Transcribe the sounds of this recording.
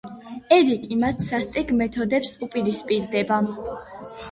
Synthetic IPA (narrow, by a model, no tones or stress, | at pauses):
ɛlikʼimat̪ʰsast̪ʼɛɡmɛt̪ʰɔd̪ɛpsupʼiɾispʼiɾd̪ɛba